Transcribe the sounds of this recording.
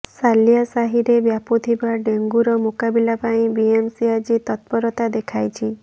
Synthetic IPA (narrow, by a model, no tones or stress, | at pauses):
salijasaɦiɾebjaput̪ʰibaɖeŋɡuɾɔmukabilapaĩbiemsiad͡ʒit̪ɔt̪̚pɔɾɔt̪ad̪ekʰajt͡ʃʰi